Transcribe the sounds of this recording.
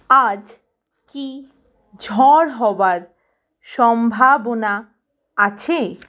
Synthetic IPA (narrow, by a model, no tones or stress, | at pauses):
ad͡ʑ | ki | d͡ʑʱɔɾɦɔbaɾ | ʃɔmbʱabona | at͡ɕʰe